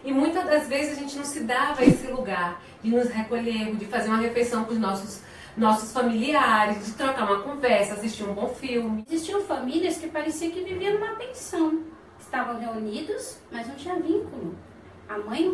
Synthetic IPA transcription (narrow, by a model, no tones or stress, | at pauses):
ɪmũj̃t̪ɐd̪ɐzvezɪzaʒẽnt͡ʃɪnɐ̃w̃sɪd̪avɐesɪluɡaɾ | d͡ʒɪnʊsɦekoʎeɾmʊd͡ʒɪfazeɾũɐɦeflejsɐ̃w̃kʊznɔsʊs | nɔsʊsfamiliaɾɪsd͡ʒɪt̪ɾɔkaɾũmɐkõvɛɾsɐasiʃt͡ʃiɐũbõfiwmɪziʃt͡ʃĩɐ̃w̃fɐmiliɐskɪpaɾesiɐ̃kɪviviɐnũmɐpẽsɐ̃w̃ | ɪst̪avɐ̃w̃ɦeunid̪ʊsmɐznɐ̃t͡ʃĩɲɐvĩkulʊ | ɐmɐ̃j̃